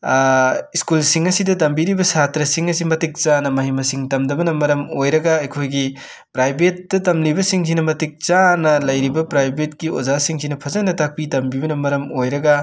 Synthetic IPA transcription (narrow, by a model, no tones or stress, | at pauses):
iskulsiŋɐsidɐtɐmbiɾibɐsatɾɐsiŋɐsimɐtik̚t͡ʃanɐmɐɦimɐsiŋtɐmdɐbɐnɐmɐɾɐmojɾɐɡaɐjkʰojɡi | pɾajbet̚dɐtɐmlibɐsiŋsinɐmɐtik̚t͡ʃanɐlɐjɾibɐpɾajbet̚ɡiozasiŋzinɐpʰɐzɐnːɐtak̚pitɐmbibɐnɐmɐɾɐmojɾɐɡa